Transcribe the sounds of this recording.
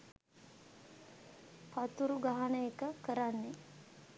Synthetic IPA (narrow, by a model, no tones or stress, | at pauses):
pat̪uɾuɡaɦanəekəkəɾanːe